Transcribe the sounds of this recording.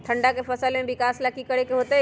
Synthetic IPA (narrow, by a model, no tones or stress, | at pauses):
t̪ʰɐ̃ɳɖakefɐsəlmẽbɪkaːslakikɐɽekeɦoːt̪e